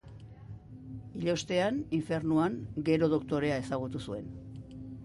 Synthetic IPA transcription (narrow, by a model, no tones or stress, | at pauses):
iʎo̞st̪e̞aniɱfe̞rnuaŋɡe̞ɾo̞ð̞o̞kt̪o̞ɾe̞ae̞saɣ̞ut̪usue̞n